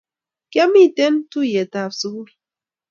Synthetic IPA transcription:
kja˦mi˦˨te˦ntu˦˨je˨ta˨fsu˦ku˦

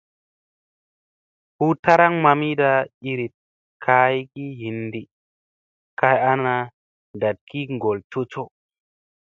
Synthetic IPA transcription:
hu˦ta˦ɾa˦ŋma˧mi˦da˧i˧ɾi˨t̚ | kʰa˧jki˦ɦi˨ndi˨ | ka˧ja˦na˧ | da˨t̚kʰi˦ŋɡo˨lto˦t͡ʃo˦

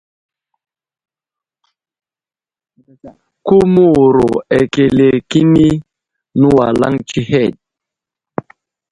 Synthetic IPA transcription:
ku˦mu˦˨ɾo̰˨e˨ke˨le˨ki˦ni˦ | nu˦wa˨la̰˦ŋt͡ʃi˦hɛ˦˨d̚

